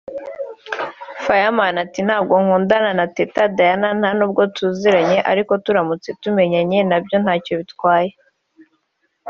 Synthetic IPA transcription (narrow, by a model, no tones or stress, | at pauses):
fajamanatin̥haːb̚ɡo̞ŋ̥uːndananatetadajanan̥hanuːb̚ɡo̞tuziɾaɲe̞ʔa̰ɾiko̞tuɾamut͡se̞tume̞ɲaɲe̞nabjo̞n̥haːco̞βitkwaːje